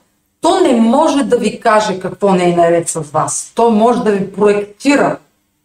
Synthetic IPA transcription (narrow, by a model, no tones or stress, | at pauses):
t̪ɔnɛmɔʒɛd̪ɐvikaʒɛkɐkvɔnɛːnɐɾɛt̪sɐzvast̪ɔjmɔʒɛd̪ɐvipɾoɛkt̪iɾə